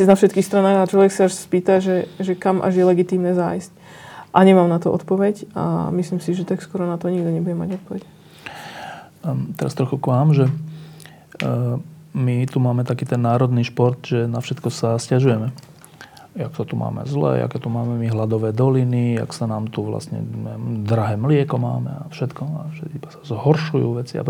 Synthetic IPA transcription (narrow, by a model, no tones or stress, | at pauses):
nafʃɛt̪kixst̪ɾanaːɾaat͡ʃlɔʋɛksaaʃspiːt̪aʒɛʒɛkamʔa̰ʒjɛlɛɡit̪iːmnɛːzajsc | ʔaɲɛmaːmnat̪ɔʔɔ̰t̪pɔʋɛca̰misliːmsiʒɛt̪akskʊɔɾɔnat̪ɔɲiɡ̚d̪ɔɲɛbuɟɛma̰ɟɔt̪̚pɔʋɛc | t̪ɛɾast̪ɾɔxukʋaːmʒɛ | mit̪umaːmɛt̪akiːt̪ɛnːaːɾɔd̪niːʃpɔɾt̪ʒɛnafʃɛt̪kɔsascaʒujɛmɛ | jaksat̪umʔa̰ːmɛ̰zlɛ̰ʔa̰kɛt̪umaːmɛmiɦlad̪ɔʋɛːd̪ɔlinia̰ksanaːmt̪uʋla̰sɲɛ̰ɛd̪ɾaɦɛːmlɪɛkɔma̰ːmɛ̰a̰fʃɛt̪kɔaʃɛibasḁzɦɔɾʃujṵːʋɛt͡sia̰